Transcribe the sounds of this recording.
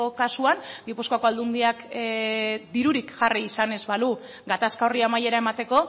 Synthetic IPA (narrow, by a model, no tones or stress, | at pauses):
okasuaŋɡipuskoako̞ald̪und̪iak | d̪iɾuɾikʝariːsane̞zβalu | ɡat̪askaoriamaje̞ɾae̞mat̪e̞ko̞